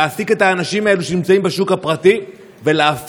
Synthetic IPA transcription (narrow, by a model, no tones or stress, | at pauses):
sike̞t̪haːnaʃimae̞luʃe̞nimt͡saimbeʃukapʁati | ve̞leaf